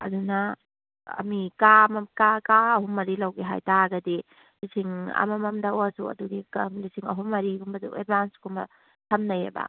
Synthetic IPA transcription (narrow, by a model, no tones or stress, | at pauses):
ɐ̰dunɐ | ɐ̰mikamɐmkakaɐɦumːɐɾilawɡiɦajtaɡɐdi | lisiŋɐ̰mɐmɐmdɐosuɐ̰duɡikɐmlisiŋɐ̰ɦumːɐɾiɡumbɐdṵḛd̚bansɡumbɐ̰ | tʰɐmnɐjḛbɐ̰